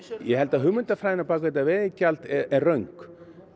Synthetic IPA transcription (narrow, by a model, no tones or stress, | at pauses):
jɛɦɛlt̪aðɦʏmʏnt̪afɾaːjðɪnapaːkvɛt̪̬avɛːðɪcalt̪ɛɛrœɥŋk